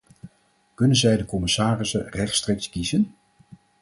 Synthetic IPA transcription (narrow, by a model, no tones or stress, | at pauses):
kɵnənzɛjdəkɔmɪsaːrɪsənrɛχtstreːkskizən